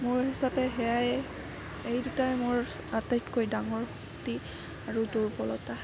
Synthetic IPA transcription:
moɹɦisapɛɦɛjajɛ | ejdutajmʊɹ | atajtkʰojdaŋɔɹxɔkti | aɹuduɹpɔlɔta

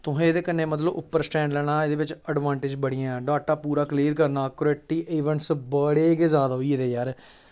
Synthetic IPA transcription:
t̪ʊɦẽːd̪eːkənːeːmət̪̬ləbʔʊpːəɾsʈɛ̃ːɳɖlɛːɽ̃aːed̪eːʋɪt͡ʃəɖʋaːɳʈɪd͡ʒbəɽ̃iːãːɛɖaːk̚ʈaːpuːɾaːkliːɾkəɾnaːkɾoɛʈiːʔeːʋəɳʈsbəɽeːɡeːzjaːd̪aːɦoiːeːd̪eːjaːɾ

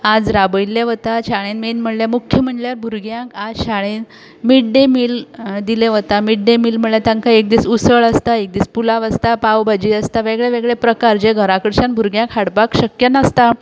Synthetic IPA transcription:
ad͡zɾabəjlːeʋət̪aɕaɭenmenm̤əɽljamukʰjəm̤əɳɖljaɾbʱuɾɡjãkad͡zɕaɭ̃en | miɽɖemiːld̪ileʋət̪amiɽɖemiːlm̤əɽljat̪ãŋkaek̚d̪iːt͡susəɭəst̪aek̚d̪iːt͡spulaʋəst̪apawbʱad͡ʑiːəst̪aʋeɡɭjeʋeɡɭepɾəkaɾd͡ʑeɡʱəɾakəɾɕanbʱuɾɡjãkʰhaɽpakɕəkjənəst̪a

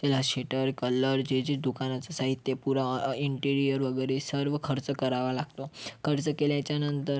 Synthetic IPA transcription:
t̪ɛlaɕeʈəɾkələɾd͡ʑed͡ʑid̪ukanat͡sasaɦit̪ːjepuɾaiɳʈiɾijəɾʋəɡəjɾesəɾʋəkʰəɾt͡səkəɾaʋalaɡt̪okʰəɾt͡səkeljat͡ɕjanənt̪əɾ

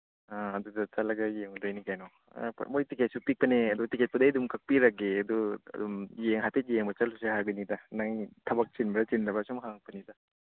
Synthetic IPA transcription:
aɐd̪udɐt͡ʃɐlɐɡɐjeŋudajnikajnɔ̰ | pmojtiket̚supik̚pɐneɐd̪utiket̚pɐdɐjdumkɐk̚piɾɐkeɐd̪uɐ̰dumjeŋɦatʰit̚jeŋbɐt͡ʃɐlusehajbɐnidɐnaŋtʰɐbɐk̚t͡ʃinbɐdɐt͡ʃindɐbɐsumkʰaŋpɐnidɐ

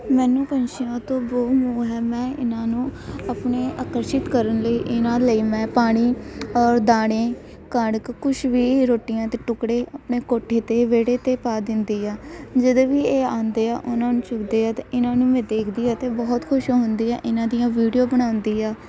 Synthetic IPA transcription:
mɛːnũːpənʃɪjãːt̪õːboːɦũːɦɛːmɛ̃ːɪ̰nãːnũːapɳeːaːkəɾʃɪt̪kəɾənləiːʔɪnãːləiːmɛ̃ːpaːɽ̃iːɔːɾd̪aːɽ̃ẽː | kəɳkkʊʃʋiːɾoːʈɪjãːt̪eːʈʊkɽeːəpɳeːkoːʈʰːeːt̪eːʋeːɽeːt̪eːpaːd̪ɪnd̪iːaːd͡ʒəd̪eːʋiːeːaːnd̪eːaːʔʊnãːnũːt͡ʃʊkd̪eːaːt̪eɪnãːnũːmɛ̃ːd̪eːkʰd̪iːaːt̪eːbɔːt̪kʰʊʃoːɦʊnd̪iːɛ̰ːʔɪnãːd̪ijãːʋiːɖijoːbəɽ̃aːʊnd̪iːaː

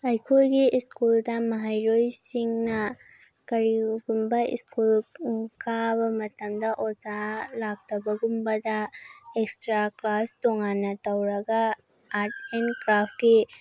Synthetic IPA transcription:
ɐjkʰojɡiʔiskuldɐmɐɦajɾojsiŋnɐ | kɐɾiɡumbɐḭskulkʰabɐmɐtɐmdɐʔɔtalak̚tʰɐbɐɡumbɐdɐekstɾaklastoŋanːɐtɐwɾɐɡaː | ɾt̚enkɾapʰki

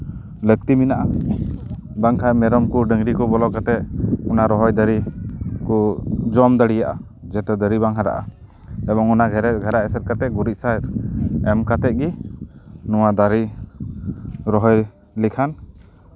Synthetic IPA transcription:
lək̚t̪iminaʔa | baŋkʰajmɛɾɔmkuɖəŋɾikɔbɔlɔkat̪ɛʔunaɾɔɦɔjd̪əɾikɔd͡ʒɔmd̪əɽijaʔa̰ | d͡ʒɛt̪ɛd̪əɾiβaŋɦaɾa̰ʔa̰ | ɛbɔŋunaɡʱɛɾɛt̚ɡʱaɾaɛsɛt̚kat̪ɛɡuɾiʔ̚sajɾɛmkat̪ɛʔ̚ɡi | nuwad̪aɾi | ɾɔɦɔj | likʰan

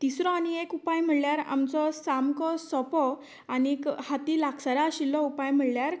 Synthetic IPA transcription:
t̪isɾɔ̃aniekupajm̤əɭljaɾa̰mt͡sɔsamkɔsɔpɔ | anikhat̪iːlaksaɾaɕilːɔupajm̤əɭljaɾ

